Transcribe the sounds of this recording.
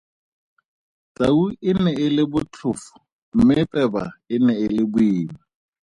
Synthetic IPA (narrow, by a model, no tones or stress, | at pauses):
t͡sʼauɪnɛɪlɪbʊt͡ɬʰʊfʊ̥ | m̩mɪpʼɛba̰ɪnɛɪlɪbʊiːma